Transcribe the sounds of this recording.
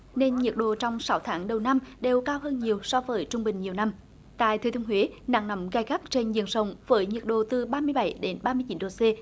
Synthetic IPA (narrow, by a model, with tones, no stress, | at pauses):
ne˧nɲi˨˩ək̚ɗo̰˧˨t͡ɕɔ˧wŋ͡msa˨˦wt̪ʰaː˨˦ŋɗə˨˩wna˧mɗe˨˩wkaː˧wɦəː˧nɲi˨˩əwsɔ˧vəː˨˦jt͡ɕʊ˧ŋ͡mɓï˨˩ŋ̟ɲi˨˩əwna˧m | t̪a̰ː˧˨jt̪ʰəː˨˩t̪i˧əŋhwe˨˦na̰ː˧˨ŋnə˨˦mɣaː˧jɣa˦˥k̚t͡ɕe˧nzɨ̰˧˨ənsə˨˩wŋ͡mvəː˨˦jɲi˨˩ət̚ɗo̰˧˨t̪ɨ˨˩ɓaː˧mɨ˧əjɓa˧˩jɗe˨˦nɓaː˧mɨ˧ət͡ɕi˨˦nɗo˨˩se˧